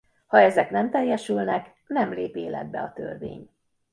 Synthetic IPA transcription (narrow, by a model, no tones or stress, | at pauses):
hɒɛzɛkn̪ɛmt̪ɛjːɛʃylnɛk | nɛmleːpeːlɛ̰d̪̚bɛ̰ɒt̪ø̰rvḛːɲ